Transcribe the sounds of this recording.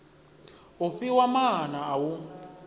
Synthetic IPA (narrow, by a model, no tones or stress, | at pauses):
ofiwamaɦanaːwu